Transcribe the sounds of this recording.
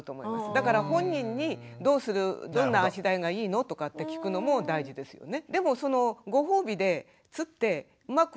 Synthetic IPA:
t̪o̞ːmo̞imasɨd̪akaɾaɦõ̞ɲ̟ːĩɲ̟ːid̪o̞ːsɨɾɯ̟d̪õ̞nːaːɕid̪aiɡaiːno̞t̪o̞kat̪ːe̞kʲi̥kɯ̟no̞mo̞d̪aiʑid̪e̞sɨjo̞̰ne̞d̪e̞mo̞so̞no̞ɡo̞ɦoːbʲid̪e̞ | t͡sɨt̪ːe̞ | ɯ̟mak

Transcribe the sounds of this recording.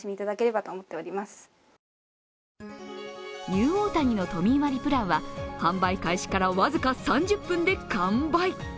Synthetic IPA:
imʲiːt̪ad̪ake̞ɾe̞bat̪o̞ːmo̞t̪ːeoɾʲimasɨ̥ | ɲɨːo̞ːt̪aɲ̟ino̞t̪o̞mʲiːmaɾʲipɯ̟ɾãɰ̃βahãmbaikaiɕi̥kaɾaβazɨkasãɲ̟d͡ʑɨpːɯ̟̃nd̪e̞kãmbai

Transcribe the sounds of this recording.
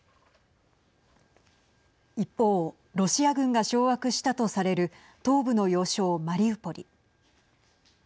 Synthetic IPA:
ipːo̞ː | ɾo̞ɕiaɡɯ̟̃ŋɡaɕo̞ːβakɯ̟ɕi̥t̪at̪o̞saɾe̞ɾɯ̟ | t̪o̞ːbɯ̟no̞jo̞ːɕo̞ːmaɾʲiɯpːo̞ɾʲḭ

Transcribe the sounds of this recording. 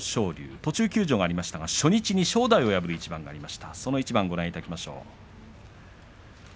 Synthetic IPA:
ɕo̞ːɾʲɨ̰ːt̪o̞t͡ɕɨːkʲɨːʑo̞ɡaːɾʲimaɕi̥t̪aɡaɕo̞ɲ̟it͡ɕiɲ̟iɕo̞ːd̪aio̞jabɯ̟ɾɯit͡ɕibãŋɡaːɾʲimaɕi̥t̪aso̞no̞it͡ɕibãŋɡo̞ɾãɰ̃it̪akʲimaɕo̞̰ː

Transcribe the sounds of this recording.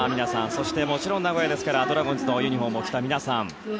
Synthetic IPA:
mʲinasãñso̞ɕi̥t̪e̞mo̞t͡ɕiɾõ̞nːaɡo̞jed̪e̞sɨ̥kaɾad̪o̞ɾaɡõ̞ɲ̟zɨno̞jɯɲ̟iɦõ̞mːo̞kʲi̥t̪amʲinasãɴ

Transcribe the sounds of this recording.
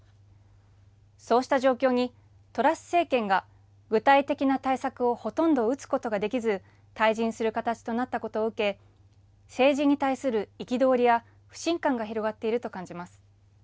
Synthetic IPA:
so̞ːɕi̥t̪aʑo̞ːkʲo̞ːɲ̟i | t̪o̞ɾasɨ̥se̞ːkẽ̞ŋɡa | ɡɯ̟t̪ait̪e̞kʲinat̪aisakɯ̟o̞ho̞t̪õ̞nd̪o̞ɯ̟t͡sɨ̥ko̞t̪o̞ɡad̪e̞kʲizɨ | t̪aiʑĩɰ̃sɨɾɯ̟kat̪at͡ɕi̥t̪o̞nat̪ːako̞t̪o̞ːɯ̟ke̞ | se̞ːʑiɲ̟it̪aisɨɾɯ̟ikʲid̪o̞ːɾʲija | ɸɯ̟̥ɕĩŋkãŋɡaçiɾo̞ɡat̪ːe̞iɾɯ̟t̪o̞kãɲ̟d͡ʑimasɨ̥

